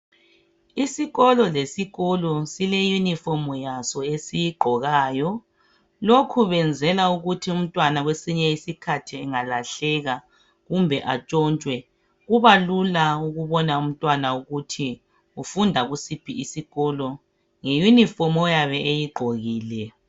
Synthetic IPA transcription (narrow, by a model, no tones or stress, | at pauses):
isiɣɔlɔlesiɣɔlɔsilɛjunifɔmɔjasɔesijiɡ͡ǃʱɔɣaːjɔ | lokʰuβɛnd͡zʱɛlauɣutʰium̩tʼwanaɣwesiɲɛisikʰatʰiɛŋalaɬɛɣa | ɣumbʱɛʔat͡ʃʼɔnt͡ʃʼwɛ | ɣuβalulauɣuβɔnaum̩tʼwanauɣutʰi | ufundʱaɣusipʰiʔisiɣɔlɔ | ŋejunifɔmɔjaβɛʔejiɡ͡ǃʱoɣiːlɛ